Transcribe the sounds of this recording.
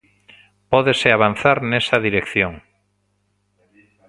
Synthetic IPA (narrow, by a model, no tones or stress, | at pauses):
pɔðeseaβ̞an̟θaɾnesaðiɾekθjoŋ